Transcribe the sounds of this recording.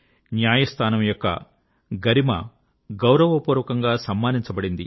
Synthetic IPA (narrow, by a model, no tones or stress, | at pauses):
njaːjɐst̪ʰaːnɐmjɔkːɐ̰ | ɡɐɾimɐ̰ | ɡɐwɾɐʋɐpuːɾʋɐkɐŋɡaːsɐmːaːniɲt͡ʃɐbɐɽind̪ḭ